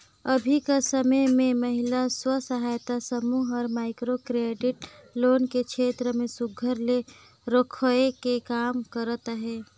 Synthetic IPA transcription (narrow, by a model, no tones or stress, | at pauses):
əbʱikasəməmẽmɐɦɪlaswəsəɦaːjt̪asəmuɦɔːɾmaːɪkɾokɾeːɖɪʈloːnkekʃʰeːt̪ɾəmẽsʊɡʱəɾle | ɾokʰəekekaːmkəɾət̪ɦɛː